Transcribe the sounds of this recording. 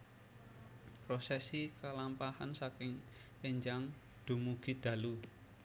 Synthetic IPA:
pɾosɛsikalampahansakɪŋ | peɲd͡ʒaŋ | d̪̥o̤muɡ̥i̤d̪̥ä̤lu

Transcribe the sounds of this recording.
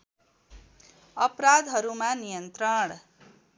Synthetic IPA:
əpɾad̪ɦəɾumãnijənt̪ɾəɳ

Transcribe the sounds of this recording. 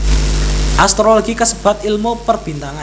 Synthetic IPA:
ʔast̪ɾoloɡ̥ikəsəb̥a̤t̪̚ilmupərb̥int̪aŋa

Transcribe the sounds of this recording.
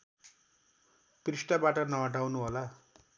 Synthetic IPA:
prisʈabaʈʌnʌɦʌʈawnuɦola

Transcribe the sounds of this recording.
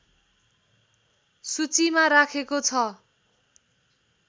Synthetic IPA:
sut͡simaɾakʰekot͡sʰʌ

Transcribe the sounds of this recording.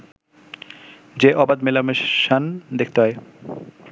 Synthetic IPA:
d͡ʑeʔɔbad̪melameʃand̪ekʰt̪eɦɔe

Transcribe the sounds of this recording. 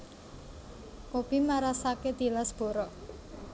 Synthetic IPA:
kob̥imaɾasaked̪̥i̤lasb̥o̤ɾɔʔ

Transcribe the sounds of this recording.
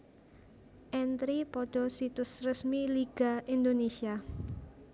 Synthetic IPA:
ʔɛnt̪ɾipɔɖ̥ɔ̤sit̪ʊsrəsmiliɡ̥aind̪onesia

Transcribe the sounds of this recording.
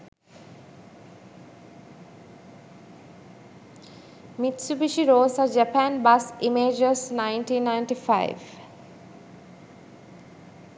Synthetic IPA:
mit̪subiʃiɾoːsad͡ʒəpæ̃nbasimeːd͡ʒəsnaɪnʈiːnːaɪɳʈifa̰ɪ̰ʋ

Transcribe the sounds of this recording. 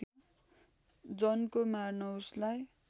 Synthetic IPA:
o | d͡zʌnkomarnʌwslaj

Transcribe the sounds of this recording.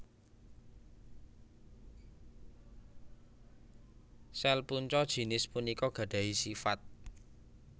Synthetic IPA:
sɛlpuɲt͡ʃɔd̥ʒ̥i̤nɪspunikɔɡ̥ä̤ɖ̥ä̤ɦisifat̪̚

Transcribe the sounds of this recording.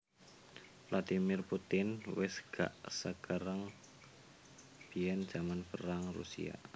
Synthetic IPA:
lad̪̥imɪrput̪ɪnwɪsɡ̥a̰ʔsəkəɾəŋ | b̥iɛnd̥d͡ʒ̥amanpəɾaŋrṵsḭa̰

